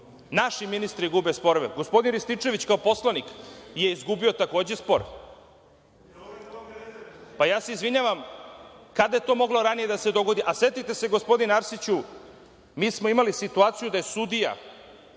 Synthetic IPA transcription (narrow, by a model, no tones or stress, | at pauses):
naʃiminist̪ɾiɡubespo̞ɾʋeɡo̞spo̞d̪inɾist̪it͡ʃe̞ʋit͡ɕkaopo̞slanikje̞izɡubio̞t̪ako̞ːd͡ʑe̞spo̞ɾ | pajaːse̞izʋiɲaʋam | kad̪aje̞t̪o̞ːmo̞ɡlo̞ɾanije̞d̪ase̞d̪o̞ɡo̞d̪iʔase̞t̪it̪e̞se̞ɡo̞spo̞d̪inaɾsit͡ɕu | miːsmo̞imalisit̪uaːt̪sijud̪ajesud̪ija̰